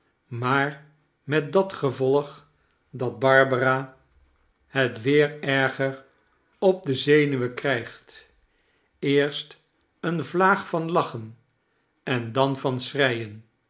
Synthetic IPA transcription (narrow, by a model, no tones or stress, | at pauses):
maːr | mɛt̚dɑtχəvɔlˠəχ | dɑd̚bɑɹbəraː | hətʋɪːɹɛɹχər | ɔb̚dəzejnyʋəkrɛjχt | ɪːɹst | ənvlaːχfɑnlɑχən | ɛndɑnvɑnsrɛjən